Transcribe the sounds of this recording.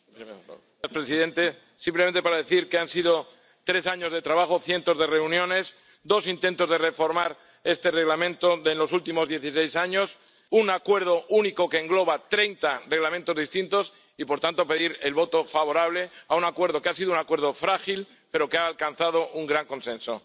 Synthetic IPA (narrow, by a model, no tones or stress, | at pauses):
spɾe̞siðẽ̞nt̪e̞ | simplement̪e̞paɾaðe̞θiɾkeansið̞o̞ | t̪ɾe̞saɲo̞zðe̞t̪ɾaβaxo̞θje̞nt̪o̞zðe̞re̞unjõ̞ne̞s | d̪o̞sint̪e̞nt̪o̞zð̞e̞re̞fo̞ɾmaɾ | e̞st̪e̞re̞ɣlamẽnt̪oðenlo̞sult̪imo̞zðje̞θise̞jsaɲo̞s | unakwe̞ɾð̞o̞ʔuniko̞ke̞ːŋɡlo̞βat̪ɾejnt̪are̞ɣlamẽnt̪o̞zðist̪int̪o̞s | ipo̞ɾt̪ant̪o̞pe̞ðiɾelβo̞t̪o̞faβ̞o̞ɾaβ̞le̞aunakwe̞ɾðo̞keasiðounakwe̞ɾð̞ofɾaxil | pe̞ɾo̞keaːlkan̟θað̞o̞ʔuŋɡɾaŋkõ̞nsẽ̞nso̞